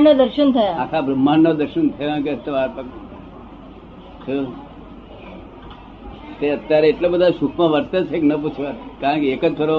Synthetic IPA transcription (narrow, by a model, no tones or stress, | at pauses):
ɳəd̪əɾɕənt̪ʰəjaat̪ʰabɾəmːanːod̪əɾɕənt̪ʰəjãkeət̪ːəʋaɾpək | t̪ʰə | t̪eət̪ːjaɾeeʈlabəd̪ʱaʃukʰmaʋəɾt̪ət͡seknəput͡sʰʋat̪kaɾə̃keekət̪ʰoɾo